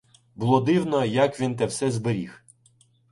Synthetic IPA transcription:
bʊlˠɔd̪ɪwnɔjɐkʋʲint̪̬ɛwsɛzbeɾʲix

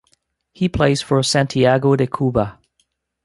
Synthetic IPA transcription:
hipʰl̥eɪz̥fə˞sæ̃ntʰiæɡoʊɾɨkʰubə

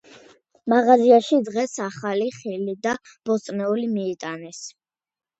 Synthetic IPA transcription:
maʁaziaʃid̪ʁɛsaχaliχilid̪a | b̥ɔt̪sʼnɛulimiːt̪ʼanɛs

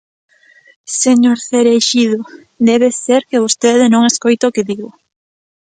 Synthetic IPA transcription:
seɲoɾθeɾeʃiðʊ | d̪ɛβeseɾkeβost̪eðɪnõŋeskojt̪okeðiɣʊ

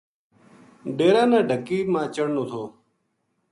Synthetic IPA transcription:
ɖeːɾaːnãːɖʱəkiːmãːt͡ɕəɽnũːt̪ʰoː

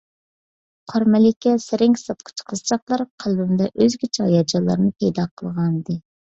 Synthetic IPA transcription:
qʰɑɾmɛlɪkʲɛsɪɾɪŋkʲsɑt̪̚qʰʊ̥t͡ʃʰqʰəzt͡ʃʰɑχlˠɑɾqʰælbɪmd̪ɛʔøzɡʲit͡ʃʰɑjɑd͡ʒɑlˠɑ̰ɾnɨpʰɛjd̪ɑqʰəlˠʁɑnd̪ɨ

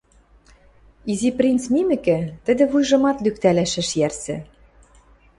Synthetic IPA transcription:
iziprʲint͡smimɘ̆kɘ̆t̪ɘ̆d̪ɘ̆βujʒɤ̆mɑt̪lykt̪ælæʃɘ̆ʃjærsɘ̆

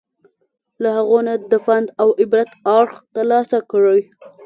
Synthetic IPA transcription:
lahaɣonad̪əfand̪awɪbɾat̪ɑɾxt̪əɾlɑsakɽaj

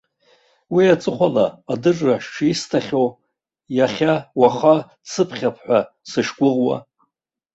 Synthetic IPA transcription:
wiat͡sʼɨχʷalaːdɨrʼraʃʈ͡ʂʰistʰaχʲow | jaχʲawaχa | t͡sʰɨpʰχʲapʰħʷa | sɨʂɡʷʊʁwa̰

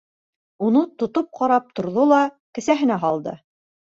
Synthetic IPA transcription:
unɤt̪ŏt̪op̚qɑɾɑp̚t̪ŏɾðolˠɑ | kɘ̆sæɦɘ̆næɦɑlˠd̪ɤ̰

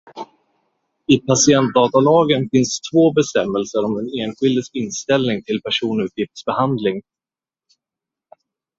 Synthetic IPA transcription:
ɪpʰasɪɛnt̪̚d̪ɑːt̪alɑːɡənfɪnst̪ʰvoːbɛst̪ɛmːɛlsəɾɔmd̪ɛneːnɧɪld̪əsɪnːst̪ɛlnɪŋt̪ʰɪlpʰæʂuːnʉ̟ːt̪jɪft̪sbɛhand̪lɪŋ

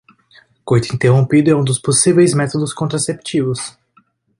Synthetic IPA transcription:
kojt̪ʊĩnt̪eɦõmpid̪ʊɛũd̪ʊsposivejzmɛt̪od̪ʊskõnt̪ɾasept͡ʃivʊs

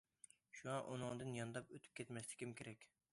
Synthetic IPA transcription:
ʃuŋɑʔunɨŋd̪ɨnjɑnd̪ɑpøt̪ʰy̥p̚kʲʰɛt̪mɛslɪ̥kʲimkʲʰeɾɛkʲ

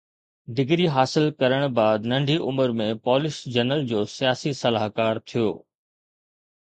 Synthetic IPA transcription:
d̪ɪɡɾiɦaːsɪlkɐɾəɽ̃baːd̪nɐ̃ɳɖʱiʔʊməɾmẽpɔːlɪʃd͡ʑɐnəld͡ʑoːsijaːsisɐlaːɦkaːɾt̪ʰijo̰ː

